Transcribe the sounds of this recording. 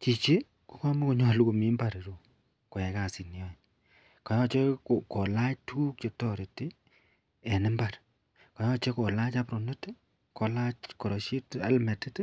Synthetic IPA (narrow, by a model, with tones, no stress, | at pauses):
t͡ʃi˨t͡ʃe˦ | ko˦kɔ˦mo˦ko˦ɲɔ˦lu˦ko˨mi˦mba˨ɾi˨ɾo˦ | ko˨jɛ˨ka˦˨si˨n˨jɔ˦ | kɔ˨jɔ˦t͡ʃe˦ko˨ko˨la˦t͡ʃtʰu˦kt͡ʃe˨tɔ˦˨ɾe˨te˦ | e˨nɪ˦mba˨ɾ | ko˨jɔ˦t͡ʃe˦ko˨la˦t͡ʃa˦pɾo˨ne˦t | ko˨la˦t͡ʃko˨ɾo˨ʃi˦ta̰˦lmɛ˨te˦t